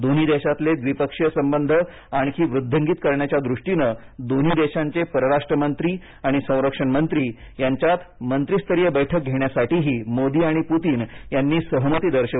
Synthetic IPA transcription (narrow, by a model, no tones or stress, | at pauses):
d̪on̤iːd̪eɕat̪led̪ʋipəkʂjəsəmbənd̪ʱə | aɽ̃ikʰiːʋɾud̪ʱːəŋɡiːt̪̚kəɾɳjat͡ɕjad̪ɾuʂʈinə | d̪on̤iːd̪eɕaɲt͡sepəɾəɾaʂʈɾəmənt̪ɾiː | aɽ̃isə̃w̃ɾəkʂəɳmənt̪ɾiː | jaɲt͡ɕjat̪mənt̪ɾist̪əɾijəbəjʈʰək̚ɡʱeɳ̃jasaʈiːɦiːmod̪iːaɽ̃iput̪iːnjanːiːsəɦmət̪iːd̪əɾɕə